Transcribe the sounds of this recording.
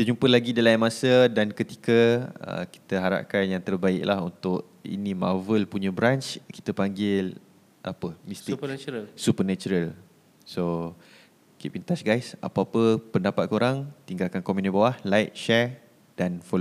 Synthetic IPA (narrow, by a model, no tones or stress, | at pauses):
kit̪əd͡ʒumpəlaɡidəlainmasədankət̪i̥kəə̰ki̥t̪əɦaɾa̰p̚kanjaŋt̪ərbaɪʔlaɦunt̪ʊʔ | ḭnĩmavəlpuɲə̃bɾant͡ʃki̥t̪əpaŋɡɪl | ʔapəmisɪkt͡ʃɾasupərnat͡ʃuɾəl | so | kiʔpint̪asɡajsa̰pəapəpəndapat̪̚koɾaŋt̪iŋɡalkankomunibawahlajʔ̚ʃɛɹ | d̥anfolo